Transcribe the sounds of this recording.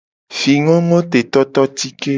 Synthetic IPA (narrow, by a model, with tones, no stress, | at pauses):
fi˨ŋɔ̃˦ŋɔ̃˦t̪e˨t̪ɔ˦t̪ɔ˦t̪i˦ke˦